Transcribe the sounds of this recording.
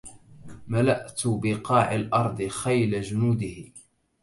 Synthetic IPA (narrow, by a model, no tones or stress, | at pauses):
malaʔt̪bɪqɑːʕalʔɑɾˤd̪ˤɨxajlad͡ʒʊnuːd̪ɪh